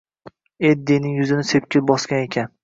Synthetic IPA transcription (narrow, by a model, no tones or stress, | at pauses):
ed̪ːenɪŋjʊzɪnɪsep̚kʲɪlbɒskʲanekʲʰan